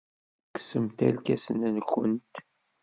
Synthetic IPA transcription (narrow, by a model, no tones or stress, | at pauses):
ksəmt̪ælkæsənænkːənt̪